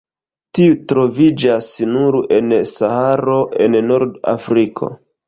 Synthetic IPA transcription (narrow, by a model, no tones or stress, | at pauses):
tiutɾo̞vid͡ʒasnuɾe̞nsahaɾo̞ʔe̞nːoɾda̰fɾikʰo̞̰